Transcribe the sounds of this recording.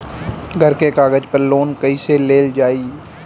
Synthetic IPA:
ɡʱəɾkekaːɡəd͡ʒpəɾloːnkəiseleːld͡ʒaːiː

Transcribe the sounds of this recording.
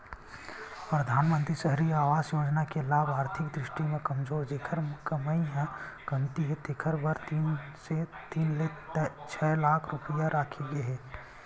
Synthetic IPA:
pɾɐd̪ʱaːnmə̃nt̪ɾisəɦɾiaːʋaːzjoːd͡ʒnakelaːbaːɾt̪ʰɪkd̪ɾɪʃʈimẽkɐmzoːɾd͡ʒeːkʰəɾmkəməiɦɛ̃kɐnt̪iɦet̪eːkʰəɾbɐɾt̪iːnset̪iːnlet̪t͡ʃʰɛːlaːkʰɾʊpijaɾʔaːkʰeɡeɦɛː

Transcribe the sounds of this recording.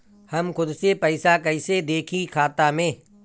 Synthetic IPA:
hɐmkʊd̪sepəɪsakɐɪsed̪eːkʰikʰaːt̪amẽː

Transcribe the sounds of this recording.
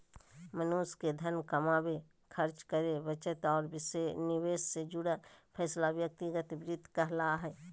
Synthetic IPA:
mənuːsked̪ʱənkəmaːbe | kʰəɾt͡ʃkəɾeʋət͡ʃət̪ɔːɾbɪsenɪʋeːsːed͡ʒʊɽapʰɛːslaʋjək̚t̪iɡət̪bɾɪd̪ʱkəɦlaɦɛː

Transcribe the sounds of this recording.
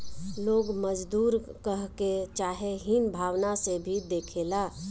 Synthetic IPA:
loːɡməd͡ʒd̪uːɾkəɦket͡ʃaːɦeɦinbʱaːʋnasebʱid̪eːkʰeːlaː

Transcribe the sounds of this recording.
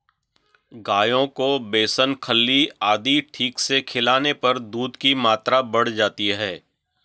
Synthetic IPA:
ɡaːjõkobeːsənkʰəlːiaːd̪iʈʰiːksekʰɪlaːnepɐɾd̪uːd̪kimaːt̪ɾabɐɽ̤d͡ʒaːt̪iɦɛː

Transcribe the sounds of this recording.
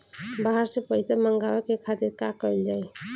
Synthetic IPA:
baɦaɾsepəɪsaməŋɡawekekʰat̪iɾkakəild͡ʒae

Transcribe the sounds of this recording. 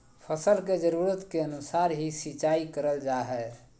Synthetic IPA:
pʰəsəlked͡ʒəɾuɾət̪keənusaɾɦisit͡ʃaikəɾəld͡ʒaɦɛ

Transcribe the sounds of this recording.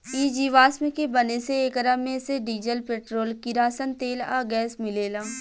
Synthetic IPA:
iːd͡ʒiːʋaːsmẽkebɐneseeːkɾamẽseɖiːd͡ʒəlpeːʈɾoːlkɪɾaːsənt̪eːla̰ːɡɛːsmɪleːlaː

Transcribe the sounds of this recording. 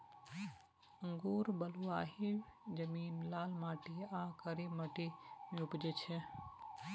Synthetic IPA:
əŋɡuːɾbəluaːɦid͡ʒəmiːnlaːlmaːʈiãkəɾiməʈimẽupd͡ʒet͡ʃʰɛ

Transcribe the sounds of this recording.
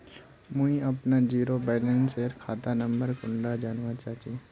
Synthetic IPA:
mũĩɐpnad͡ʒiːɾobɛːlɛ̃nseɾkʰaːt̪anɐ̃mbəɾkʊɳɖad͡ʒaːnʋat͡ʃaːt͡ʃi

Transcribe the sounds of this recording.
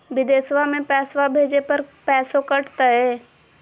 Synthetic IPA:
bɪd̪eːsʋamẽpɛːswabʱeːd͡ʒepɐɾpɛːsokɐʈt̪aɦɛː

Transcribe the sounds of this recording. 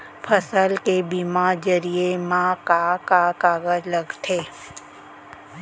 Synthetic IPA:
pʰəsəlkebimad͡ʒəɾiemãːkakakaːɡələɡt̪ʰeː

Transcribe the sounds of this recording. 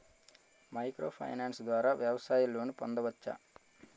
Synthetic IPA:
mɐjkɾo̰ːpʰɐ̰jnaːnsd̪ʋaːɾaːʋjɐʋɐsaːjulːo̞ːnipond̪ɐʋɐt͡ʃːa̰ː

